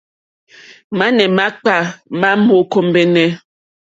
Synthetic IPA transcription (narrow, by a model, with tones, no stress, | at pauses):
ma˦nɛ˨ma˦k͡pa˦˨ma˦mo˦ko˦m˦be˦nɛ˦